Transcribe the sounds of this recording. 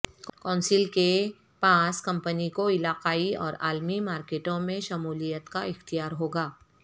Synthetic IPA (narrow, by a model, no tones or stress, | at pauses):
kɔːnsɪlke | paːskɐ̃mpənikoɪlaːqaːiɔ̰ːɾa̰ːlmimaːɾkeːʈõmẽʃɐmuːlijət̪kaɪxt̪ijaːɾɦoːɡaː